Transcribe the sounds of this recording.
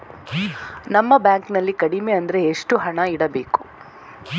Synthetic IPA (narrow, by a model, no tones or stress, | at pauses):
nɐmːɐbjaːŋknɐlːikɐɽime̞ɐnd̪ɐɾe̞ːʂʈuɦɐɳɐiɽɐbe̞ːku̥